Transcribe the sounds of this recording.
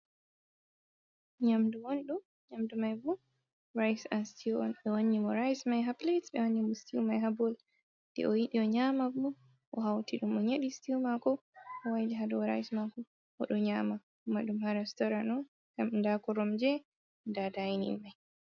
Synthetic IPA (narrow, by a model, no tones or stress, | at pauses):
ɲamduwonɗu | ɲamdumajbu | ɾajsanstʰiɔ̰nɓɛwonːimɔɾajsmajɦapletsbɛwaɲːimɔstiumajɦabɔl | dɛ̰ʔɔjiɗiɔɲamabɔ | ʔɔ̰ɦawtiɗumɔɲeɗistiumakɔɔwajdiɦadɔɔɾa̰jsmakɔ | ʔɔɗɔɲaːmakumaɗumhaɾɛstɔɾanɔn | ɡamndakɔɾɔmd͡ʒɛ | ndadajnḭmːaj